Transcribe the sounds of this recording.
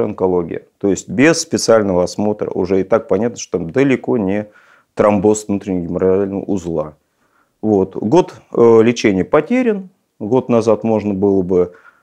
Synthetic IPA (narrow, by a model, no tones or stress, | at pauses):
ɐnkɐlˠo̞ɡʲɪ̰jə̰t̪o̞jɪsʲtʲbʲɪsspʲɪt̪sɨalʲnəvəɐsmo̞t̪ɾə̰ʔʊ̰ʐɛɪt̪ak̚pɐnʲat̪nəʂt̪ot̪amd̪əlʲɪko̞nʲɪ | t̪ɾɐmbo̞svnut̪ɾʲɪnʲɪjɡʲɪməɾalʲnə̰ʊzlˠa | vo̞t̪ɡo̞t̪lʲɪt͡ɕenʲɪjəpɐtʲeɾʲɪn | ɡo̞t̪nɐzat̪mo̞ʐnəbɨlˠəbɨ